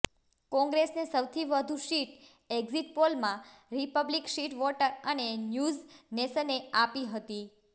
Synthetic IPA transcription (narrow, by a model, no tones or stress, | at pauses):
kɔ̃ŋɡɾesnesəwt̪ʰiʋəd̪ʱuʃiʈ | eɡziʈ̚polmã | ɾipəblikʃiʈʋoʈəɾənenjuzneʃəneapiɦət̪i